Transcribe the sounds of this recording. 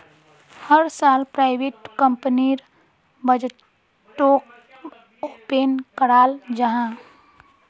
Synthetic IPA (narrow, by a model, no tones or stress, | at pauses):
həɾsaːlpɾaːɪbeːʈkə̃mpəniɾ | bəd͡ʒ | ʈːoːk | oːpenkəɽaːld͡ʒəɦã